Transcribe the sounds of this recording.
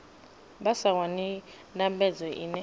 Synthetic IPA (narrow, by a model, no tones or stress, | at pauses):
basawani | ndambɛd͡zɔʔḭnɛ